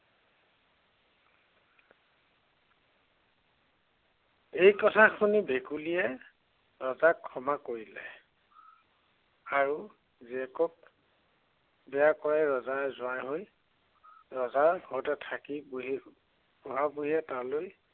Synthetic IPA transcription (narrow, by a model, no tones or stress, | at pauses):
ejkɔtʰakʰunibʱekulijɛ | ɹɔzakʰːɔmakoɹilɛ̰ | aɹu | ziɛkɔp̚ | bɛjakɔɹaɹɔzazʊajɦoj | ɹɔzaɹɡɔɹtɛtʰaki | buɦabuɦiɛtaloj